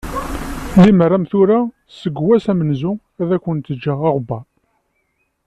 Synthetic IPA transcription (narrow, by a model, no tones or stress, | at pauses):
limərːæmθuɾa | səɡwæsæmənzʊ | æðækːənt̪əd͡ʒːæʁɑʁbɑ